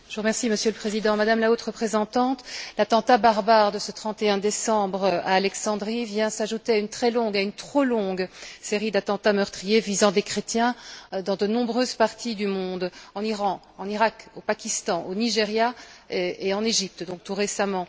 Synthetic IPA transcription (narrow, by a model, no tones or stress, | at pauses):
ʒ̥əʁəmɛʁsiməsjøləpχezid̪ɑ̃mad̪amlaot̪ʁəpχezɑ̃t̪ɑ̃t̪lat̪ɑ̃t̪abaʁbaʁd̪əsət̪χɑ̃t̪eɛ̃d̪esɑ̃bʁa̰ːlɛksɑ̃d̪ʁivjɛ̃saʒut̪eaynt̪χɛlɔ̃ɡaynt̪χolɔ̃ɡseʁid̪at̪ɑ̃t̪amœʁt̪χijevizɑ̃d̪ekχet̪jɛ̃d̪ɑ̃d̪ənɔ̃bʁøzpaʁt̪id̪ymɔ̃d̪ɑ̃niʁɑ̃ | ɑ̃niʁakopakʲist̪ɑ̃ʔoniʒeʁja | eɑ̃neʒip̚t̪d̪ɔ̃k̚t̪uʁesamɑ̃